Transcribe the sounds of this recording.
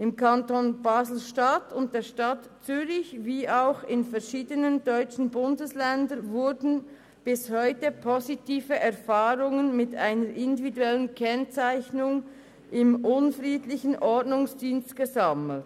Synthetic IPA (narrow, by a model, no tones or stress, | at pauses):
ʔɪmkʰantonbaːzl̩ʃtatʊnt̚d̥eːɐʃtatt͡syːɾɪçviːaʊxɪnfɛʁʃiːdənəndɔʏt͡ʃn̩bʊndəslɛndənvʊɾdn̩ | b̥ɪshɔʏtəpʰozitiːfəʔɛɐfaːɾʊŋənmɪtaɪnəɾʔɪndividuɛlənkʰɛnt͡saɪçnʊŋ | ʔɪmʔʊnfʁiːdlɪçən̩ʔɔɹdnʊŋsd̥iːnstɡ̥əzaml̩t